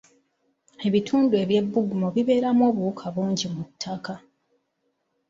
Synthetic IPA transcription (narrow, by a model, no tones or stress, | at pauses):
e̞βitʰuːndue̞βje̞bːuɡumoβiβe̞ːɾamwo̞ːβuukʰaβuːɲɟimutʰːaka